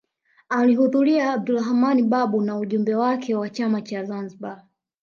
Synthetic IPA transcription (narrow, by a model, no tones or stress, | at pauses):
alihuðuɾiaːb̚dulahmaniɓaɓunauʄumbɛwakʰɛwat͡ʃamat͡ʃazanziɓa